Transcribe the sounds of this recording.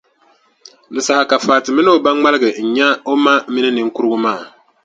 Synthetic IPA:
lɨ˨sa˨ha˨ka˨faː˨tɪ˨mi˦nɨ˦o˨ba˦ŋŋ͡ma˦lɨ˦ɡɨ˨ɲ̩˨ɲɛ˦o˦ma˦mi˦nɨ˦nɨ˨ŋ̩ku˦ɾɨ˦ɡʊ˦maː˦˨

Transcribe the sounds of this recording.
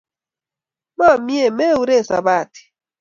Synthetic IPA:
ma˦˨mi˦e˦˨me˦wu˨˦ɾe˦˨sa̰˨ba˦˨ti̥˨

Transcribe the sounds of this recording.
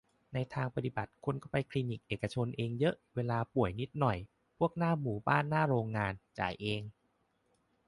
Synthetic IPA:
na˧jt̪ʰaː˧ŋpa˧t̪i˨˩ba˨˩t̪̚kʰo˧nkɔ˥˩pa˧jkʰliː˧ni˨˩k̚ʔeː˨˩ka˧t͡ɕʰo˧nʔeː˧ŋjɤ˦˥ʔweː˧laː˧pu˨˩əjni˦˥t̪̚nɔ˨˩j | pʰu˥˩ək̚naː˥˩muː˨˩˦baː˥˩nːaː˥˩ɾoː˧ŋːaː˧nt͡ɕa̰ː˨˩jʔeː˧ŋ

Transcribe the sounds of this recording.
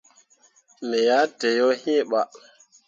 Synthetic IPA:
mɛ˨ja˦te˨jo˦hĩ˦ɓa˨

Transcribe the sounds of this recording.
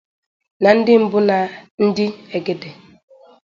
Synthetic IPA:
na˨n̩˦dɪ˦m̩˦bʊ˦na˨n̩˦dɪ˦e˨ɡe˨de˨

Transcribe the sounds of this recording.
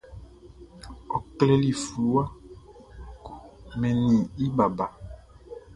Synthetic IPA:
ɔ˨klɛ˦li˨flu˨˦a˦ | ku˨mɛ̃˨nĩ˨i˦ba˨ba˨

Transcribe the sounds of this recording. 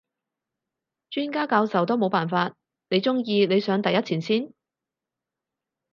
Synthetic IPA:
t͡ʃyː˥nkaː˥kaː˧wsɐ˨˩wt̪o˥wmo˨˧wpaː˨˩nfaː˧t̚ | ne˨˧jt͡sʊ˥ŋjiː˧ne˨˧jsœː˨˧˥ŋt̪ɐ˨jɐ˥t͡sʰiː˨˩nsiː˥n

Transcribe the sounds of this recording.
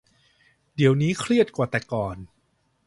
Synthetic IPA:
di˨˩˦əwniː˦˥kʰɾi˥˩ət̪̚kwaː˨˩t̪ɛː˨˩kɔː˨˩n

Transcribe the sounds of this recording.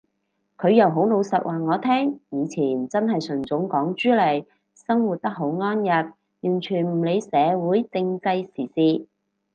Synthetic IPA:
kʰɵ˨˧ɥjɐ˨wɦo˨˥wlo˨˧wsɐ˨t̚wʔaː˨ŋɔː˨˧t̪ʰɛː˥ŋjiː˨˧t͡sʰiː˨˩nt͡sɐ˥nɦɐ˨jsɵ˨˩ŋt͡sʊ˨˥ŋkɔː˨˥ŋt͡ʃyː˥lɐ˨˩j | sɐ˥ŋwuː˨t̚t̪ɐ˥k̚ɦo˨˥wŋɔː˥njɐ˨t̚ | jyː˨˩nt͡ʃʰyː˨˩nm̩˨˩le˨˧jsɛː˨˧wuː˨˥jt͡sɪ˧ŋt͡sɐ˧jsiː˨˩siː˧

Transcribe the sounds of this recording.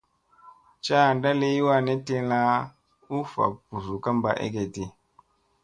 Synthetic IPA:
t͡ʃa˦˨nda˦le˦ji˦wa˦ne˦te˦la˦ | u˦fa̰˨pu˨zu˨ka˦mba˦˨ʔḛ˦ke˨ti˦

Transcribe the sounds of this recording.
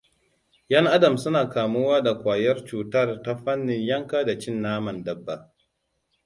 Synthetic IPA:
jɐ˦ŋʔa˦dɐ˨msʊ˦naː˨kaː˨mʊ˦waː˦da˨kʷaː˨jɐ˦rt͡ʃuː˨tɐ˦˨rta˦ɸɐ˦nːɪ˨ɲjɐ˦ŋkaː˦da˨t͡ʃɪ˦nːaː˦mɐ˨ndɐ˦bːa˨

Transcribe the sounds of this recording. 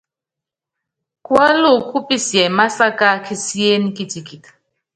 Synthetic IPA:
kwa˦lo˦˨kʰu˦pi˦sjɛ˨ma˦sa˦ka˦kʰi˦si˦e˦ni˦kʼi˦ti˨kʼi˨tḁ˨

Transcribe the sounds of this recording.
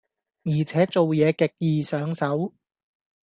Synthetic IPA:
jiː˨˩t͡sʰɛː˨˥t͡so˨wjɛː˨˧kɪ˨k̚jiː˨sœː˨˥ŋsɐ˨˥w

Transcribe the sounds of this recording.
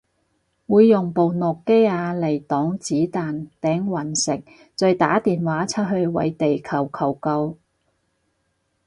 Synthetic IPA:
wuː˨˧jːʊ˨˩ŋpo˨wnʊ˨kːe˥jaː˧le˨˩jt̪ɔː˨˥ŋt͡siː˨˥t̪aː˨nt̪ɛː˨˥ŋwɐ˨˩nsɪ˨k̚ | t͡sœ˧ɥt̪a̰ː˨˥t̪iː˨nwaː˨˥t͡sʰɐ˥t̚ɦɵ˧ɥwɐ̰˨˥jt̪e˨jkʰɐ˨˩wkʰɐ˨˩wkɐ˧w

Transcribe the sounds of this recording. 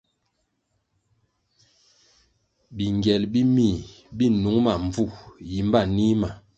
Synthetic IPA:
bi˨ŋɡɛ˨lbi˦mi˦˨ | bi˦nu˨˦ŋma˨ɱ˨b͡vu˦˨ji˨˦m˦ba˦˨ni˦ma˨

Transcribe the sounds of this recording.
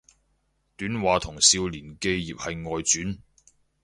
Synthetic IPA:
t̪yː˨˥nwaː˨t̪ʰʊ˨˩ŋsiː˧wliː˨˩nke˧jːiː˨p̚hɐ˨jŋɔː˨jt͡syː˨˥n

